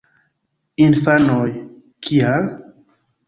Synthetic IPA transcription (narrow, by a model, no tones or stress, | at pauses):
infanoj | kʰial